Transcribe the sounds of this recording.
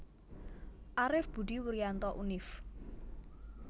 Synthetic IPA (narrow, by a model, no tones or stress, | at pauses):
ʔaɾɪfb̥ṳɖi̤wuɾijant̪ɔʔunɪf